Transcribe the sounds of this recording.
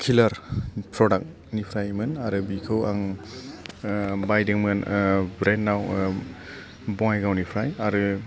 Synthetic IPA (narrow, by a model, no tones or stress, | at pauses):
kʰilaɾpʰɾɔdak̚ | nipʰɾajmɯnaɾɯbikʰɯwaŋ | bajdɯŋmɯnbɾenːaw | bɔŋajɡawnipʰɾajaɾɯ